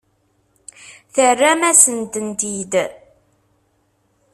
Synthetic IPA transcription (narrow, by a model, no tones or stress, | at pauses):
θərːæmæsənt̪ənt̪id̪